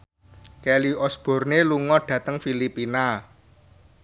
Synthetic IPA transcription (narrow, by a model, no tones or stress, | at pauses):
kɛliɔsb̥ɔ̤rneluŋɔɖ̥ä̤t̪əŋfilipina